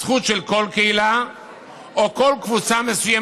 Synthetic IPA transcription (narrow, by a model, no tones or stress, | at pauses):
χut̪ʃelko̞lkeila | ʔoko̞lkvut͡samesuja